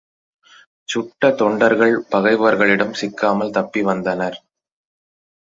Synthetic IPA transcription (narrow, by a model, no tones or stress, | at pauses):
t͡ʃʊʈːɐt̪ɔɳɖɐɾɣɐɭpɐɣɐɪʋɐɾɣɐɭɪɽɐmsɪkːaːmɐlt̪ɐpːiʋɐnd̪ɐnɐɾ